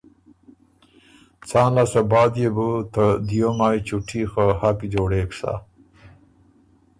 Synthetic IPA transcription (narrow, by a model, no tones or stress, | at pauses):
t͡sɑːnlasabɑːd̪jebut̪əd̪ijomaːjt͡ʃuʈʰixəhapid͡ʒoɽekʂa̰